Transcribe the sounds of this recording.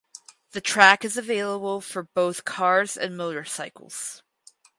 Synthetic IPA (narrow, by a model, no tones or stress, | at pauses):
ðɨtʰɹ̥ækɨzɨveɪlˠəbl̩ˠfə˞boʊθkʰɑɹzɨ̰̃nmoʊɾə˞saɪkl̩ˠz̥